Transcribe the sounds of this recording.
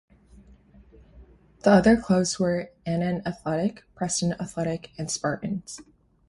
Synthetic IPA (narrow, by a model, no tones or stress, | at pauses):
ðiʌðə˞kʰl̥ʌʊvzwə˞ɛ̃nɨ̃nɨθlɛɾɪkpʰɹ̥ɛsɨ̃n̩əθlɛɾɪkɨ̃nspɑɹʔn̩z̥